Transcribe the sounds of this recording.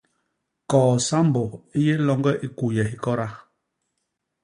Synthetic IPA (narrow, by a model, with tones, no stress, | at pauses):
kɔː˨sa˦m˦bo˨i˦je˦lɔ˦ŋɡɛ˦ʔi˦ku˨jɛ˨hi˦kɔ˦ɾa˦